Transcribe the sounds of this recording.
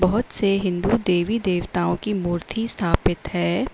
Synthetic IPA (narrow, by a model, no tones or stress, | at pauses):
bɐɦʊt̪seɦɪ̃nd̪ud̪eːʋid̪eːʋt̪aːõkimuːɾt̪ʰist̪ʰaːpɪt̪hɛː